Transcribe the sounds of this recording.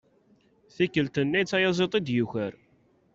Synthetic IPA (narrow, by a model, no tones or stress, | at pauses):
θikːəlt̪ənːæj̪t͡sːæjɑzˤet̪ˤid̪juçəɾ